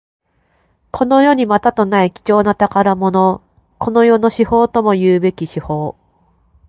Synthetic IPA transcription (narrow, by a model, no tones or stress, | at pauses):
kʰo̞no̞jo̞ɲ̟imat̪at̪o̞naikʲi̥t͡ɕo̞ːnat̪akaɾamo̞no̞ | ko̞no̞jo̞no̞ɕiho̞ːt̪o̞mo̞jɯːbe̞kʲiɕiho̞ː